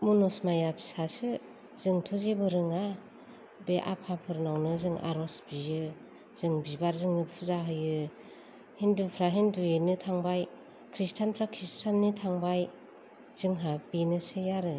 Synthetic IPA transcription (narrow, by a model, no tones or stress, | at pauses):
munɔsmajapʰi̥sasɯ | z̥ɯŋtʰuzibɯɾɯŋa | beʔa̰pʰapʰɯɾnawnɯzɯŋʔa̰ɾɔsbijɯ | z̥ɯŋbibaɾzɯŋnɯpʰuzaɦɯjɯ | hindupʰɾaɦindujenɯtʰaŋbaj | kʰɾistʰanpʰɾakʰɾistʰanːitʰaŋbaj | z̥ɯŋɦabinɯsɯjaɾɯ